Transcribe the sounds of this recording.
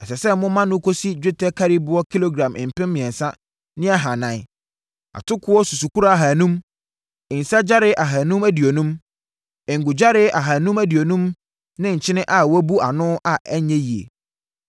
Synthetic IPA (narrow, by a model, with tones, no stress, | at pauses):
ɛ˨sɛ˨sɛ˦mʊ̃˦mã˦nʊ̃˦kʰo˦si˦d͡ʑᶣɪ˦tʰɛ˦kʰa˦ɾi˦bʊ˦ɔ˦kʰi˦lo˦ɡɾã˨mʔɪ̃˨m̩˨pɪ̃˦mmɪ̃˨ɛ̃˨n˨sa˦ | nɪ̃˦a˨ɦa˨nã˨ɪ˦ | a̰˨tʰʊ˦kʰʊ˦ɔ˦su˨su˨ku˦ɾa˦a˨ɦa˨nũ˦m | ɪ˨n̩˨sa˦d͡ʑa˦ɾɪ˦ʔa˨ɦa˨nũ˦mæ˦di˨o˨nũ˦m | ɪ˨ŋ̩˨ɡʊ˨d͡ʑa˦ɾɪ˦ʔa˨ɦa˨nũ˦mæ˦di˨o˨nũ˦m | nɪ̃˦ɲ̩˨t͡ɕʰɪ̃˦nɪ̃˦ʔa˨wæ˦bu˦a˨nʊ̃˦ʔa˨ɛ˦ɲɛ̃˦ji˨ḛ˨